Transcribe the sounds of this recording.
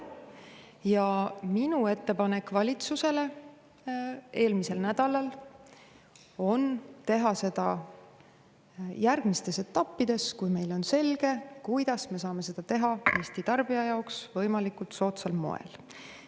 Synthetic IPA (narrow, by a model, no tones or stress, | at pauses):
jɑminue̞t̪ːe̞pɑne̞kːvɑlʲit̪suse̞le̞ | e̞ːlmise̞lnæd̪̥ɑlɑl | o̞nt̪e̞ɦɑse̞d̪̥ɑ | jærɡ̥mist̪e̞se̞t̪ːɑpːid̪̥e̞skujme̞jlo̞nse̞lɡ̥e̞kujd̪̥ɑsme̞sɑːme̞se̞d̪̥ɑt̪e̞ɦɑe̞ːst̪it̪ɑrb̥iɑjɑoksvɤjmɑlikult̪so̞ːt̪sɑlmo̞̰ḛl